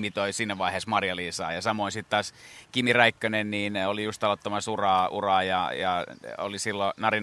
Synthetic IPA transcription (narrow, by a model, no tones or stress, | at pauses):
mit̪oisiːnːæʋɑiheːsmɑrjɑliːsɑ̰ːjɑsɑmoinsit̪t̪ɑːskimiræikːønenniːnolijust̪ɑlot̪ːɑmɑsurɑːṵrɑːjɑ̰jɑo̰lisilːonɑrin